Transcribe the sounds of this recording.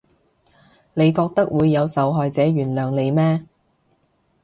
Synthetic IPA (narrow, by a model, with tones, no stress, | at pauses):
ne˨˧jkɔː˧k̚t̪ɐ˥k̚wuː˨˧jːɐ˨˧wsɐ˨˥wɦɔː˨˧jt͡sɛː˨˥jyː˨˩nlœː˨ŋle˨˧jmɛː˥